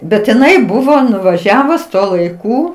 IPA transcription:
bʲɛt ɪˈnɐɪ ˈbʊʋoː nʊʋɐˈʒʲæːʋʊs ˈtuɔ lˠɐɪˈkuː

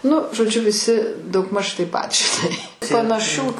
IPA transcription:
nʊ ʒoːˈd͡ʒʲʊ ʋʲɪˈsʲɪ dɐʊɡˈmɐʃ tɐɪp ˈpɐt ʒʲɪˈnɐɪ pɐnɐˈʃʲuː

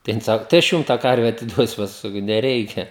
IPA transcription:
tɐɪ ˈjɪn ˈsɑːkʊ tɐɪ ɐʃ ˈjʊm tɑː ˈkɐrʲʋʲɛ ɐtʲɪˈduɔsʲʊ ˈpɑːskʊ sɐˈkɐʊ nʲɛˈrʲɛɪkʲɛ

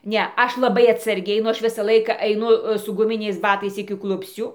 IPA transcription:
ˈnʲɛ ˈɐʃ lˠɐˈbɐɪ ɐtsɐrʲˈɡʲɛɪ nʊ ˈɐʃ ˈʋʲɪsɐ ˈlˠɐɪkɐ ɐɪˈnʊ sʊ ɡʊˈmʲɪnʲɛɪs ˈbɑːtɐɪs ɪkʲɪ ˈklˠʊpʲsʲt͡sʲuː

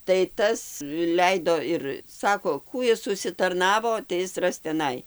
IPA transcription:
tɐɪ ˈtɐs ˈlʲɛɪdoː ɪr ˈsɑːkoː ˈkuː ɪs ʊʃʲsʲɪtɐrˈnɑːʋoː tɐɪ ˈɪs ˈrɐs tʲɛˈnɐɪ

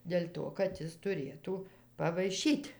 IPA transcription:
dʲɛlʲ ˈtoː kɐt ˈjɪs tʊˈrʲeːtuː pɐʋɐɪˈʃʲiːtʲ

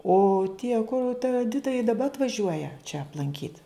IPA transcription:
oː tʲiɛ ˈkʊr tɐ ɛˈdʲɪtɐ ɪ dɐˈbɐ ɐtʋɐˈʒʲuɔjɛ t͡ʃʲɛ ɐplˠɐŋʲˈkʲiːt

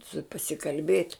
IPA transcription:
sʊ pɐsʲɪkɐlʲˈbʲeːtʲ

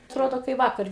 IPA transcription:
ɐtˈroːdoː kɐɪ ˈʋɑːkɐrʲ

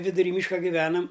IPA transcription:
ʋʲɪdʊˈrʲiː ˈmʲiːʃkɐ ɡʲɪˈʋʲæːnɐm

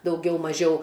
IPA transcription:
dɐʊˈɡʲɛʊ mɐˈʒʲɛʊ

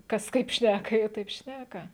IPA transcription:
ˈkɐs ˈkɐɪp ʃʲnʲækɐ ˈjiɛ ˈtɐɪp ˈʃʲnʲækɐ

